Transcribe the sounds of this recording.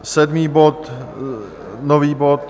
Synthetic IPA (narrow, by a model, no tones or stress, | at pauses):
sɛdmiːbot̪ | noviːbo̞t̪